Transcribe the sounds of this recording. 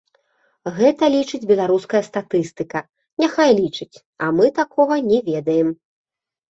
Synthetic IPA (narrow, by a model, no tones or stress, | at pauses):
ɣɛt̪ɐlʲit͡ʂɨd͡zʲbʲɛlˠaɾuskɐjɐst̪at̪ɨst̪ɨkɐ | nʲaxajlʲit͡ʂɨt͡sʲ | ɐmɨt̪akʰɔɣɐnʲɛvʲɛd̪ɐjɛm